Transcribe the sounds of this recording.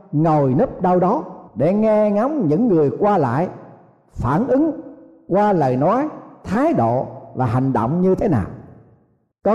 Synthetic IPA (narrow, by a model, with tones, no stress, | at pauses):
ŋo˨˩jnə˦˥p̚ɗa˧wɗɔ˨˦ɗe˧˩ŋɛ˧ŋa˨˦wŋ͡mɲɨ̰˧˥ŋːɨ˨˩əjkwaː˧la̰ː˧˨j | faː˧˩nʔɨ˨˦ŋ | kwaː˧lə̰ː˧˨jnɔ˨˦jt̪ʰaː˨˦jɗo̰˧˨vaː˨˩ɦa˨˩jŋ̟ɗo̰˧˨wŋ͡mɲɨ˧t̪ʰe˨˦naː˨˩w | kɔ˨˦